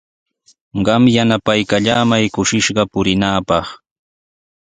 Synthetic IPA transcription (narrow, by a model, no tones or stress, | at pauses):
ɢɑmjanapajkaʎaːmajkʊʃɪʃɢɑpʊɾɪnaːpɑχ